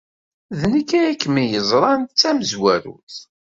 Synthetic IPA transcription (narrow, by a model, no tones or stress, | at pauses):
ðnəkːæjækːmijəzˤɾˤɑnt͡sːæməzwæɾṵθ